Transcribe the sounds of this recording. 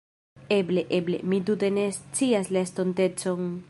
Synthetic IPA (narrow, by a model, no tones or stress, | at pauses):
eble̞ʔeble̞̰mit̬ute̞nest͡siaslaest̪onte̞t͡so̞n